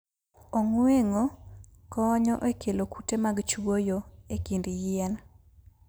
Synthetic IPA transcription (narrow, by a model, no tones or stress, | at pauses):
ɔŋweŋokɔːɲɔʔekʰelokutemaɡt͡ʃwojoekindijɪɛn